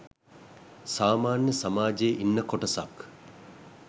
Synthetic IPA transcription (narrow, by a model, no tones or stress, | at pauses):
saːmaːnjəsamaːd͡ʒejʔinːəkoʈɐsa̰k